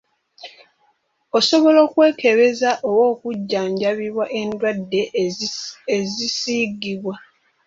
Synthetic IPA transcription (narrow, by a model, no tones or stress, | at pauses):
oso̞βo̞lo̞ːkwe̞ːke̞βe̞zaʔo̞wo̞ːkuɟːaːɲɟaβiβwaʔe̞ndwadːe̞ | ezisiːɡiβwa